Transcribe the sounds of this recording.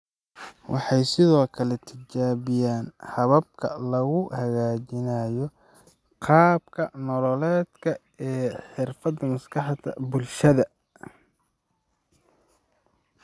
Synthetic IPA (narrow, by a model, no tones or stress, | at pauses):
wʔɑħɑjsɪðɔːkʰɐlɛt̪ʰɪt͡ʃaːβɪjaːnhɐβɐb̚kʰɐ̰lɐɣʊhɐɣaːt͡ʃɪnaːjɔ | qɑːbkʰɐnɔlɔlɛːd̪kʰɐ | ɛːħɪrfɐd̪ɐmɐskɑħd̪ɐ̰bʊlʃɐðɐ